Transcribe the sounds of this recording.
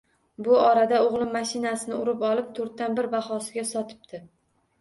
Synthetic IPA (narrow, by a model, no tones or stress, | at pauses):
bʊɒɾad̪aoʁlˠɪmːaʃɪnasɪnɪʊɾɪpɒlˠɪp̚t̪ʰoɾt̪ːanbɪɾbaχɒsɪɡʲasɒt̪ʰɪ̥p̚t̪ʰɪ